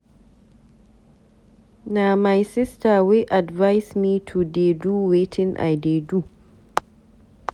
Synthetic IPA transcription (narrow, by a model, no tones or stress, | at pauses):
namajsɪstawiʔadvajsmitʰudeduwetʰɪnʔa̰jdedu